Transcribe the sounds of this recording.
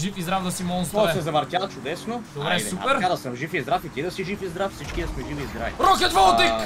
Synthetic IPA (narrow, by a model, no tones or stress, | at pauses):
ʒifizd̪ɾavd̪ɐsimɔnst̪ɔsɛzɐvɐɾt̪ʲjat͡ʃʊd̪ɛsnod̪ɾɛsuɛɾkad̪ɐsəmʒifizd̪ɾafit̪ʲid̪ɐsiʒifizd̪ɾafsit͡ʃkʲid̪ɐsmɛʒivizd̪ɾa̰vḭɾɔkʲət̪vɔlˠt̪ik